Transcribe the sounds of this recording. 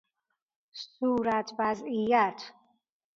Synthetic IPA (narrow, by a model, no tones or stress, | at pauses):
suːɾat̪ʰvazijat̪ʰ